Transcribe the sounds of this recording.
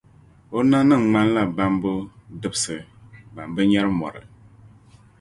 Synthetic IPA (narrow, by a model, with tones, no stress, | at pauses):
o˦na˦nɨ˦˨ŋŋ͡ma˦n˦la˦ba˦mbʊ˦dɨ˦bsɨ˨ba˨mbɨ˦ɲɛ˦ɾɨ˦mɔ̰˨ɾɨ̰˨